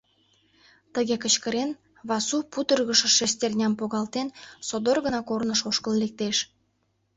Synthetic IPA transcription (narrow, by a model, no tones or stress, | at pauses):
t̪əɣekə̆t͡ɕkəɾen | βɑsuput̪ərɣəʃə̆ʃest̪ʲerʲnʲɑmpoɣɑlt̪ensod̪orɣənɑkornəʃoʃkəllek̚t̪eʃ